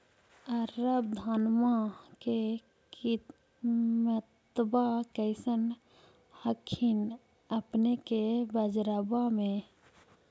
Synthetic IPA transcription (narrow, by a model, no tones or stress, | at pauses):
əɾəb̚d̪ʱanmake | ki | mət̪bakəɪsən | həkʰːin | əpnekebəd͡ʒɾabamẽ